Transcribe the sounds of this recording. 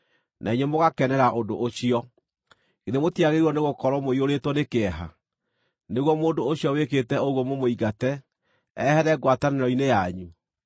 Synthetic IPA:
nʔaiɲemoɣakɛnɛɾaʔodoʔːɕiɔ | ɣeɾemotiaɣeiɔneɣokɔɾɔmoioɾetwɔnekeɛɦa̰ | neɣwɔmoːndoːɕiɔweketɛoɣwɔmomoiɡatɛ | ɛhɛɾɛɡwataneɾɔinejaɲu

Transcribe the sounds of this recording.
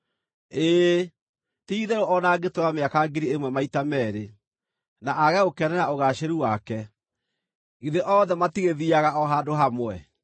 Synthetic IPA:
eː | tiiðɛɾoʔɔnaɡetoɾameakaɡeɾiemwɛmaitamɛːɾe | naʔaɣɛokɛnɛɾaoɣaɕeɾuwakɛ | iðeʔɔðɛmatiɣeðiaɣaɔɦadoɦamwɛ

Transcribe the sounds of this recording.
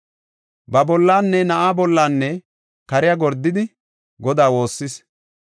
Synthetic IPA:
bɐbɔlːaːnːɛnɐʔaːbɔlːaːnːɛ | kɐɾɪjaɡɔɾd̪ːɪd̪ɪ | ɡɔd̪aːwo̞ːsːɪs

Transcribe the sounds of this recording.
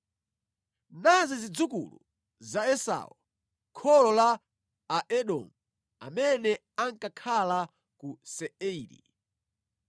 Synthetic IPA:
nazizid͡zukṵlṵ | zaɛsa̰u | kʰɔlɔla | aʔɛɗɔ̰mu | a̰mɛnɛ | aŋkakʰala | kusɛɛiɾḭ

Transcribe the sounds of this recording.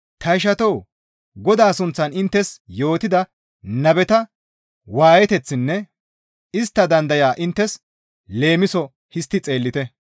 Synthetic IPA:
t̪ɐɪʃ̬ɐt̪ɔw | ɡɔd̪aːsʊnt͡sːɐnɪnt̪ːɛsjo̞ːt̪ɪd̪ɐ | nɐbɛt̪ɐ | waːjɛt̪ɛt͡sːɪnːɛ | ɪst̪ːɐd̪ɐnd̪ɐjaːʔɪnt̪ːɛs | le̞ːmɪsɔ | hɪst̪ːɪt͡sʼe̞ːlːɪt̪ɛ

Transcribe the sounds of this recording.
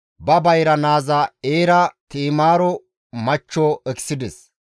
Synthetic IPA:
bɐbɐjɾɐnaːzɐeːɾɐt̪iːmaːɾɔ | mɐt͡ʃːɔʔɛksɪd̪ɛs

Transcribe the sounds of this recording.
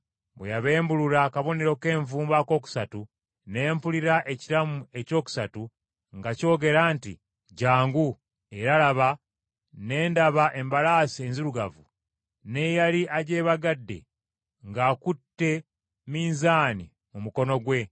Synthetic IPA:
bwejaβe̞ːmbuluɾakaβo̞ne̞ɾo̞ke̞ːɱvuːmbako̞ːku̥satu | ne̞ːmpuliɾaʔe̞ciɾamue̞co̞ːku̥satu | ŋɡaco̞ːɡe̞ɾaːntḭ | ɟaːŋɡu | e̞ɾalaβa | ne̞ːndaβaʔe̞mbalaːsienziɾuɡavu | ne̞jaliʔaɟe̞ːβaɡadːe̞̰ | ŋɡaːkutːe̞ | miːnzaːni | mumuko̞no̞ɡwe̞

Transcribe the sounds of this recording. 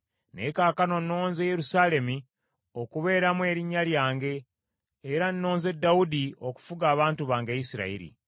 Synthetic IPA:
nḛkaːkano̞no̞ːnzeje̞ɾusaːle̞mi | o̞kuβe̞ːɾamwe̞ːɾiɲːaljaːŋɡe̞ː | ɾanːo̞ːnze̞dːaudio̞ku̥fuɡaːβaːntuβaːŋɡeisiɾa̰ḭɾḭ

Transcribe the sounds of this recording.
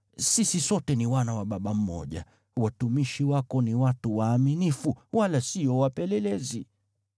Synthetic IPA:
sisisɔtɛniwanawaɓaɓam̩mɔ̰ʄa̰ | watumiʃiwakɔniwatuwaːminifuwalasiɔwapɛlɛlɛzi

